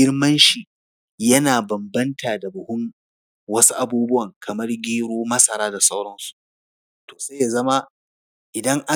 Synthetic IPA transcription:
ɪ˦rmɐ˦nʃiː˨ | jɐ˦naː˨bɐ˨mbɐ˦ntʰaː˨da˨bʊ˨hʊ˦m | wɐ˦su˦ʔa˨buː˦bʊ˦wɐ˨ŋkʰɐ˨mɐ˦rɡʲiː˦ɽoː˦mɐ˦sɐ˨ɾaː˦da˨sa˦wɽɐ˦nsu̥˨ʔ | toː˨sa˦ja˨zɐ˦ma˦ | ʔɪ˨dɐ˦ŋʔa˦

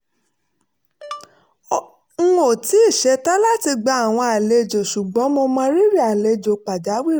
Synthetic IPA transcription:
ŋ̩˦o˨ti˨˦i˦˨ʃɛ˨˧ta˦la˦ti˧ɡ͡ba˧a˨w̃ɔ̃˧a˨le˧˨d͡ʒo˨ʃu˨ɡ͡bɔ̃˨˦mo˧mã˧ɾi˦ɾi˦˨a˨le˧d͡ʒo˨k͡pa˨d͡ʒa˨˦wi˦˨˦

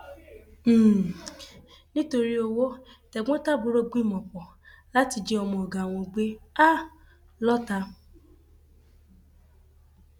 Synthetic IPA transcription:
nĩ˦to˧ɾi˦o˧wo˦tɛ˨ɡ͡bɔ̃˦ta˦˨bu˨˦ɾo˦ɡ͡bĩ˦˨mɔ̃˨pɔ˨ | la˦ti˧d͡ʒe˦ɔ˧mɔ̃˧ɔ˨ɡã˨w̃ɔ̃˧ɡ͡be˦a˦˨ | lɔ˦ta˧

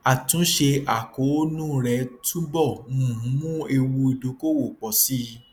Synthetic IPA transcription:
a˨tũ˨˦ʃe˧ʔa˨ko˨˦nũ˦˨˧ɾɛ˧tu˦bɔ˦˨nũ˨˦mũ˦e˧wu˧i˨˧do˨˦ko˦wo˨k͡pɔ˧si˦˧

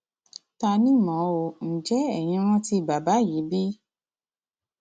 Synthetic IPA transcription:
ta˧nĩ˦mɔ̃˨˦wo˧n̩˨d͡ʒɛ˦ɛ˦˨j̃ĩ˧ɾ̃ɔ̃˦ti˦˨ba˨ba˨˦˨ji˨˦bi˦

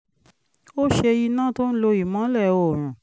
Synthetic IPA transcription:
o˦ʃe˧i˧nã˦to˦n̩˦lo˧i˨mã˨˦lɛ˦˨o˨ɾ̃ũ˨

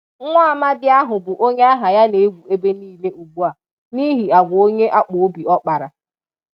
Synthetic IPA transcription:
ŋʷa˦a˦ma˦dɪ˦a˦ɦʊ˨bʊ˨ʔo˦ɲe˦a˦ɦa˨ja˦ne˨e˦ɡʷu˨e˦be˦niː˦le˦ʔu˨ɡ͡bu˦a˨ | ni˦ɦi˨a˨ɡʷo˦ɲe˦ʔa˦k͡po˨o˦bi˨ɔ˦k͡pa˨ɾa˨

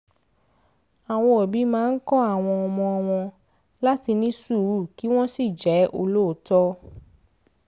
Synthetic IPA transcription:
a˨w̃ɔ̃˧ɔ˨bi˨˦mãː˦n̩˦kɔ˦a˦˨w̃ɔ̃˧ɔ˧mɔ̃˧ɔ˧w̃ɔ̃˧ | la˦ti˧nĩ˦su˦˨˦u˦˨ki˦w̃ɔ̃˦si˦˨d͡ʒɛ˨˦ʔo˧lo˦o˨tɔ˦

